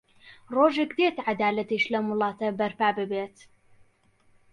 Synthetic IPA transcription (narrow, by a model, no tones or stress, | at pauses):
ɾˤoːʒikd̪eːt̪ʕad̪aːlat̪iʃlamʊlɑːt̪abɐɾfaʕbɪbeːt̪